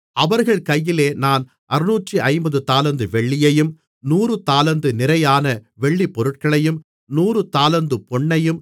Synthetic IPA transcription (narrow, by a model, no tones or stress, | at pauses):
ɐʋɐɾɣɐɭkɐjːɪleːnaːn | ʔɐɾɯnuːʈriʔɐɪmbɐðɯt̪aːlɐnd̪ɯʋɛɭːɪjɐjɯm | nuːrɯt̪aːlɐnd̪ɯnɪɾɐjaːnɐʋɛɭːipːɔɾɯʈ̚kɐɭɐjɯm | nuːrɯt̪aːlɐnd̪ɯpɔɳːɐjɯm